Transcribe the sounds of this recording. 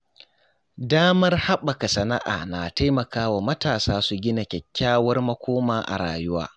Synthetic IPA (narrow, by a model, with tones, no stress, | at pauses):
daː˦mɐ˦rha˦ɓɐ˨ka˨sɐ˨na˦ʔa̰ː˨na˨ta˦jmɐ˨kaː˦wa˨mɐ˦taː˨saː˦su˨ɡʲɪ˦na˨kʲɛ˨kʲːaː˦wɐ˦rmɐ˦kʷʰoː˦maː˨ʔa̰˨ɽa̰ː˨jʊ˦wa̰ː˦